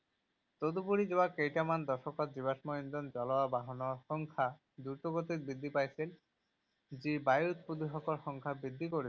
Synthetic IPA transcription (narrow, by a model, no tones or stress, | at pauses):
t̪od̪upuɾid͡ʑɔbakejʈamand̪ɔɾʃokat̪̚d͡ʑibaʃmɔind̪ɔnd͡ʑɔlaabaɦonoaʃɔŋkʰa | d̪uʈoɡot̪iɾbɾid̪ʱːipajsʰel | d͡ʑibajut̪pud̪iɦɔkoɾʃɔŋkʰabɾid̪ʱːikoɾi